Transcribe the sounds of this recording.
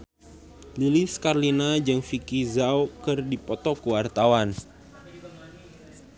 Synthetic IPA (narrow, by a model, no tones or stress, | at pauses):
liliskarlinad͡ʒɨŋfikizawkɨrdipɔt̪ɔkəwart̪awan